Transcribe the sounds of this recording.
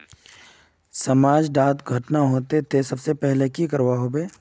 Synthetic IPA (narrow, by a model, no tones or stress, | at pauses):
sɐmaːd͡ʒɖaːt̪ɡʱɐʈnaɦoːt̪et̪ʰesɐbsepɛɦlekikɐɾwaɦobeː